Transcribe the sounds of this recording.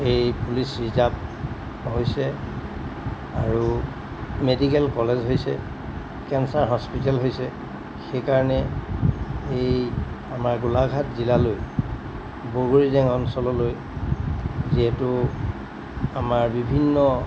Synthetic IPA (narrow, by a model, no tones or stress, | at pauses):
ejpulisɹizap̚ | ɦojsɛ | aɹu | medikɛlkɔlezɦojsɛ̰ | kɛnsaɹɦɔspitɛlɦojsɛ | xejkaɹɔnɛ | ej | amaɹɡulaɡʱatzilaloj | boɹoɹizɛŋɔnsɔlɔloj | ziɦɛtʊ | amaɹbibʱinːɔ